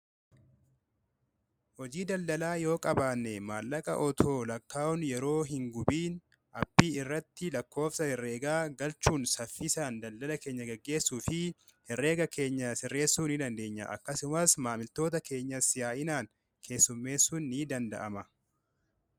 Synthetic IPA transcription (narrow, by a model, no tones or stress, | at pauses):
hɔd͡ʒiːd̪ɐld̪ɐlaːjo̞ːkʼɐbaːnːɛmaːlːɐkʼɐ̰ʔɔt̪ʰo̞ːlɐkʰːaːɔnjɛɾo̞ːɦɪŋɡʊbiːn | ɐbːiːɪrːɐt̪ːɪlɐkːo̞ːfsɐhɪrːe̞ːɡaːɡɐlt͡ʃːuːnsɐfːɪsaːnd̪ɐld̪ɐlɐke̞ːɲːɐɡɐɡːe̞ːsːuːfɪ | hɪrːe̞ːɡɐkʰe̞ːɲːɐsɪrːe̞ːsːuːnɪd̪ɐnd̪e̞ːɲːɐ̰ʔɐ̰kːɐsʊmɐsmaːmɪlt̪o̞ːt̪ɐke̞ːɲːɐsɪjaːʔɪnaːŋ | kʰe̞ːsːʊmːe̞ːsːuːnːiːd̪ɐnd̪ɐ̰ʔɐmɐ